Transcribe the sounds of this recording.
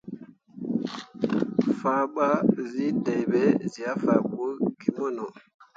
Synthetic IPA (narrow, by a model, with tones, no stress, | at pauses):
fa˨ɓa˦zi˦tɛ˨jbɛ˦zi˨a˦fa˨bo˦ɡi˨mɔ˦nɔ˨